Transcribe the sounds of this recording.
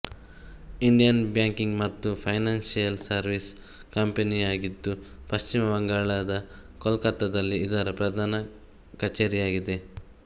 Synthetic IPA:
iɳɖijɐnbjaːŋkiŋɡmɐt̪ːupʰɐjnaːnsijɐlsɐɾʋis | kɐmpenijaːɡid̪ːupɐʃt͡ʃimɐʋɐŋɡaːɭɐd̪ɐkɔlkɐt̪ɐd̪ɐlːiːd̪ɐɾɐpɾɐd̪ʱaːnɐ | kɐt͡ʃeːɾijaːɡid̪e̞

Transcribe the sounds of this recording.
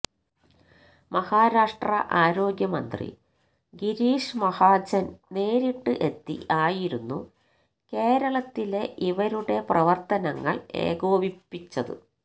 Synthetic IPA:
mɐhaːɾaːʂʈrɐ̰ʔaːɾo̞ːɡjɐmɐnd̪rḭ | ɡiɾiːʂmɐhaːd͡ʑɐnne̞ːɾiʈːɨʔe̞t̪ːḭʔaːjiɾunːu | ke̞ːɾɐɭɐt̪ːile̞ʔiʋɐɾuɽe̞prɐʋɐrt̪ɐnɐŋːɐ̰ɭe̞̰ːɡo̞ːbipːit͡ɕːɐðɨ̰

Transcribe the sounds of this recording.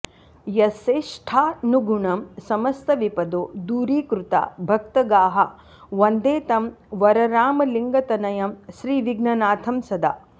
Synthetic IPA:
jɐseːʂʈʰaːnuɡuɳɐmsɐmɐst̪ɐʋipɐd̪oːd̪uːɾiːkɾut̪a̰ːbʱɐk̚t̪ɐɡaːɦɐ | ʋɐnd̪eːt̪ɐmʋɐɾɐɾaːmɐliŋɡɐt̪ɐnɐjɐmʃɾiːʋiɡnɐnaːt̪ʰɐmsɐd̪a̰ː

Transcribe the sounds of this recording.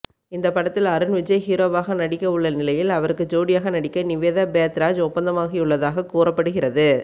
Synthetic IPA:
ɪnd̪ɐpːɐɽɐt̪ːɪlɐɾɯnʋɪd͡ʒɐɪhiːɾoːʋaːɣɐnɐɽɪkːɐʊɭːɐnɪlɐjɪlɐʋɐɾɯkːɯd͡ʒoːɽɪjaːɣɐnɐɽɪkːɐnɪʋeːðabeːt̪ɾaːd͡ʒɔpːɐnd̪ɐmaːɣɪɯɭːɐðaːɣɐkuːrɐpːɐɽɯɣɪrɐðɯ

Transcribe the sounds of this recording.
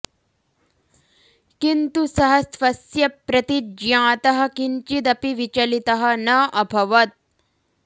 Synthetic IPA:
kint̪usɐɦɐsfɐsjɐpɾɐt̪id͡ʒjãːt̪ɐɦɐ̆kiɲt͡ʃid̪ɐpiʋit͡ʃɐlit̪ɐɦɐ̆nɐʔɐbʱɐʋɐt̪̚

